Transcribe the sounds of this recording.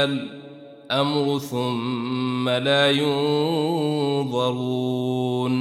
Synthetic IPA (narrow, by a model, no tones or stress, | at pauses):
al | ʔamɾʊθʊmːalaːjʊ | ðˤɑɾuːn